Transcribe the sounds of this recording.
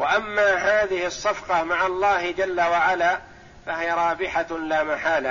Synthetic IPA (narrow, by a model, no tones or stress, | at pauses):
waʔamːaːɦaːðɪhɪsˤːɑfqɑmaʕalˤːɑːhɪd͡ʒalːawaʕalaː | fahɪjaɾˤɑːbɪħalaːmaħaːla